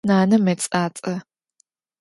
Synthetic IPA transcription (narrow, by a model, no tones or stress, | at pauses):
naːnɐmɐt͡sʼaːt͡sʼɐ